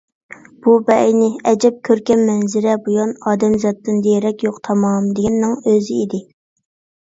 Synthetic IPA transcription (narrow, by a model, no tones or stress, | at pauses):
b̥ubɛjnɪɛd͡ʒɛp̚kʲʰøɾkʲɛmːɛnzɪɾɛbujɑnɑːd̪ɛmzɑt̪ːɨnd̪ejɾɛkʲjoqt̪ʰɑmɑmd̪eɡʲɛnnːɨŋøzɪid̪ɪ